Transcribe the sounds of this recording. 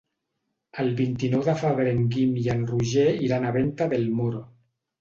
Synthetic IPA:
alβint̪inowðafaβeɾeŋɡimjanruʒeiɾanaβent̪aðelmoɾo

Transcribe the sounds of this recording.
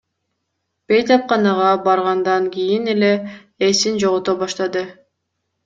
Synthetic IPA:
b̥e̞jt̪ɑp̚qɑnɑʁɑbɑɾʁɑnd̪ɑŋkʲijinele̞ː | sind͡ʒoʁot̪obɑʃt̪ɑd̪ɯ

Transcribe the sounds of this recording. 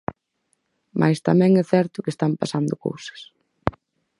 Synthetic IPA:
mʔa̰jst̪amɛ̃ŋɛθɛɾt̪ʊkest̪ampasand̪ʊko̰wsɐ̥s

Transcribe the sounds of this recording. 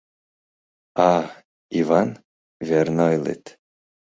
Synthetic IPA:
a | ivan | vʲernajlḛt̪

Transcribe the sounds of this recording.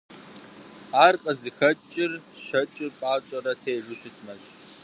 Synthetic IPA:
aːrqʼəzɨxɐt͡ʃʼɪrʃɐt͡ʃʼɪrpʷʼaːt͡ʃʼɐɾɐtʰejʒʷʊɕɪtʰmɐɕ

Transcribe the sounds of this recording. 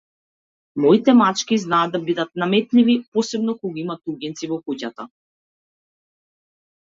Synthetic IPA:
mɔit̪ɛmat͡ʃkiznaːd̪abid̪at̪̚namɛt̪livipɔsɛbnɔkɔɡɔimat̪uɡʲɛnt̪sivɔkucat̪a

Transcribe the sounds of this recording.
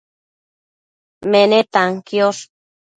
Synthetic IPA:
menet̪aŋkjos

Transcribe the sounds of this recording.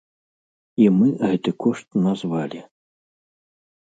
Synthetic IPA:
imɨɣɛt̪ɨkɔʂt̪̚nazvalʲi

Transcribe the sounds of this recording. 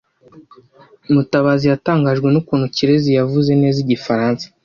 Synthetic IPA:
mutaβaːzijataːŋɡaːʒɡwe̞nukuːnuciɾe̞zijavuze̞ne̞ːziɟifaɾaːnsḁ

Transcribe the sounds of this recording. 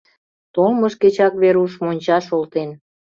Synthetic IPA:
t̪olməʃket͡ɕɑkβeɾuʃmonʲt͡ɕɑʃolt̪en

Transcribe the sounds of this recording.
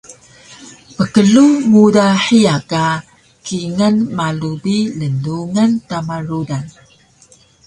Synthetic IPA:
pəkəɮumudaħiaka | kiŋənmalubilənduŋəntamaɾudan

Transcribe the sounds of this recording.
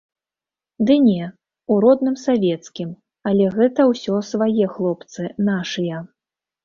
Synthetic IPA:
d̪ɨnʲɛ | uɾɔd̪nɨmsavʲɛt̪skʲim | alʲɛɣɛt̪ɐwsʲɔsvajɛxlˠɔpt̪sɨnaʂɨjɐ

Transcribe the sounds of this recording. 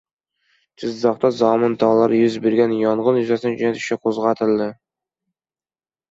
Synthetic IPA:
t͡ʃʰɪzːɑqt̪ɑzɑmɨnd̪ɑlˠːɑɾjyzbeɾɡʲænjɒɴʁɤnjyzæsɪnɪd͡ʒynæt̪ʰy̥ʃæqʰozʁɑt̪ʰɪlˠd̪ɪ

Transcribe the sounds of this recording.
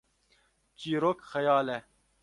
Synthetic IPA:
t͡ʃiːɾokxɛjaːlɛ

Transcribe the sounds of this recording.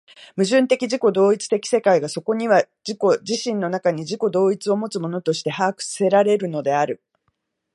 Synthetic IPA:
mɯ̟ʑɨ̃nt̪e̞kʲiʑiko̞d̪o̞ːit͡sɨ̥t̪e̞kʲi̥se̞kaiɡaso̞ko̞ɲ̟iβ̞a | d͡ʑiko̞ʑiɕĩnːo̞nakaɲ̟iʑiko̞d̪o̞ːit͡sɨo̞mo̞t͡sɨmo̞no̞t̪o̞ɕi̥t̪e̞haːkɯ̟̥sse̞ɾaɾe̞ɾɯ̟no̞d̪e̞aɾɯ̟

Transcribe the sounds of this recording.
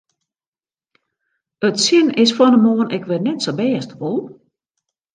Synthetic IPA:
ətsɪnɪsfɔnəmoənʔɛkʋɪrnɛtsobɛːəstʋolˠ

